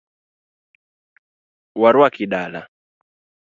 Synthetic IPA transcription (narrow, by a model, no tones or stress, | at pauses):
waɾwakiɗala̰